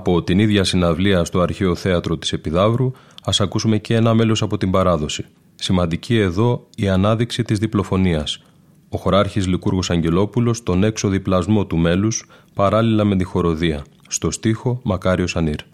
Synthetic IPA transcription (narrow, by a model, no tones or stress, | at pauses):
ɐpo̞t̪iniðʝɐsinɐvliɐst̪o̞ɐɾçeo̞θe̞ɐt̪ɾo̞t̪i̥se̞piðɐvɾu | ɐsɐkusume̞cenɐme̞lo̞sɐpo̞t̪imbɐɾɐðo̞si̥ | simɐnd̪icie̞ðo̞iɐnɐðiksit̪izðiplo̞fo̞niɐs | o̞xo̞ɾɐɾçizlikuɾɣo̞sɐɲɟe̞lo̞pulo̞st̪o̞ne̞kso̞ðiplɐzmo̞t̪ume̞luspɐɾɐlilɐme̞t̪ixo̞ɾo̞ðiɐ | st̪o̞st̪ixo̞mɐkɐɾio̞sɐniɾ